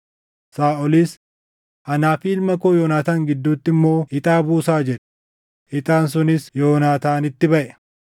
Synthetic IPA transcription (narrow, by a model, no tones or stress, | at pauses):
saːʔɔliːs | ʔɐnaːfiːlmɐkoːjoːnaːt̪aːŋɡɪd̪ːuːt̪ːɪmːo̞ːɪt̪ʼaːbuːsaːd͡ʒɛᶑɛ̥ | ɪt̪ʼaːns̬ʊnɪsjo̞ːnaːt̪aːnɪt̪ːɪbɐʔɛ̥